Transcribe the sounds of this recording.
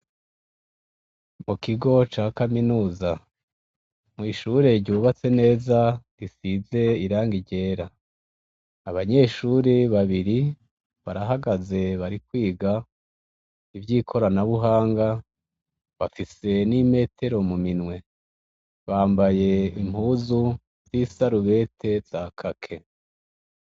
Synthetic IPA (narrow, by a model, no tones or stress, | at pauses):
mukiɡo̞t͡ʃaːkaminuːza | mŋiːʃuːɾe̞ɟɟuːβat͡se̞ne̞ːzaɡisize̞iɾaːŋɡiɟe̞ːɾa | βaɲe̞ːʃuɾiβaβiɾi | βaɾaɦaɡaze̞βaɾikwiːɡa | ivɟiːkʰo̞ɾanaβuɦaːŋɡa | βafise̞nime̞ːtʰe̞ɾo̞muminŋwe̞ | βaːmbaje̞im̥huːzu | z̥isaɾuβe̞tʰe̞z̥akʰakʰe̞